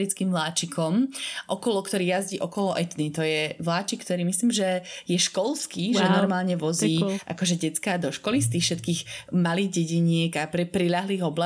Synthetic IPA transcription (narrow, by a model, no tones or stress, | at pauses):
ɾit͡skiːmʋlaːt͡ʃikʰɔmʔɔkɔlɔkt̪ɔɾiːjazɟiːʔɔkɔlɔʔɛt̪nit̪ɔjɛʋlaːt͡ʃikːt̪ɔɾiːmisliːmʒɛjɛʃkɔlskiːʒɛnɔɾmaːlɲɛʋɔziːʔa̰kɔʒɛɟɛt͡skad̪ɔʃkɔlist̪iːxfʃɛt̪kiːɣmaliːɣɟɛɟiɲɪɛɡapɾɛpɾiʎaɦliːɣɔbla